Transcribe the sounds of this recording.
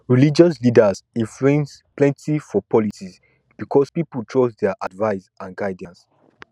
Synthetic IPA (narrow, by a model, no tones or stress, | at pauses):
ɹilid͡ʒɔslidəsĩnfɹĩnsplɛ̃ntifɔpʰɔlisis | b̥ikʰɔspipəltʰɹosdɛʔadvaɪsãnɡaɪdãns